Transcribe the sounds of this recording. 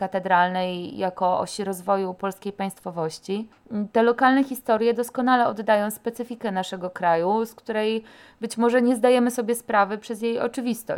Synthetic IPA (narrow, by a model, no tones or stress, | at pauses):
kat̪ɛd̪ɾalnɛjjakɔʔɔ̰ɕiɾɔzvɔjupɔlskʲejpaj̃st̪fɔvɔɕt͡ɕi | t̪ɛlɔkalnɛxʲist̪ɔɾʲjɛd̪ɔskɔnalɛɔd̪ːajɔ̃w̃spɛt̪sɘfʲikɛnaʂɛɡɔkɾajuskt̪uɾɛj | bɘt͡ɕmɔʐɛɲɛzd̪ajɛmɘsɔbʲjɛspɾavɘpʂɛzjejɔ̰t͡ʂɘvʲist̪ɔ̰